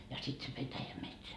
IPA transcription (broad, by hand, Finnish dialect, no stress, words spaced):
jɑ sit se petæjæmetsæ